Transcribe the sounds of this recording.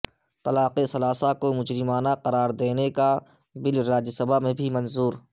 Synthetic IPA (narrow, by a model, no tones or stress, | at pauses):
t̪ɐlaːqesɐlaːsakomʊd͡ʒɾɪmaːnaqɐɾaːɾd̪eːnekabɪlɾaːd͡ʒsɐbʱamẽbʱimɐ̃nzuːɾ